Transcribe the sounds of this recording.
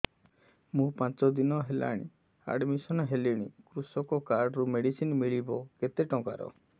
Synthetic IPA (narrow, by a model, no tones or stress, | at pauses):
mũpãt͡ʃɔd̪inɔɦela̰ɽ̃ḭ | a̰ɖmisɔnɔɦeliɽ̃ikɾusɔkɔkaɾɖɔɾumeɽisinmiɭibɔket̪eʈɔ̃ka̰ɾɔ̰